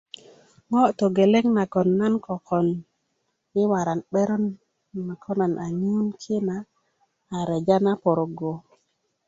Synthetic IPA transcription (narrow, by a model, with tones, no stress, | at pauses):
ŋɔ˦t̪o˨ɡe˨le˦ŋna˨kɔ˨nːa˦nkɔ˨kɔ˨n | ɪ˦wa˨ɾa˨nɓɛ˦ɾɔ˦nː | a˨kʰɔ˦na˨nʔa˨ɲu˦nkʰɪ˦naː˨ | ɾɛ˨d͡ʒa˦na˦pɔ˨ɾo˨ɡo˨